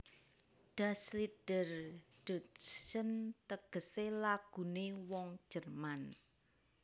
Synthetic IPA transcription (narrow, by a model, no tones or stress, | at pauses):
ɖ̥a̤sliɖ̥ərɖ̥o̤sənt̪əɡ̥ə̤selaɡ̥ṳnewɔŋ̥d͡ʒʒ̥ərman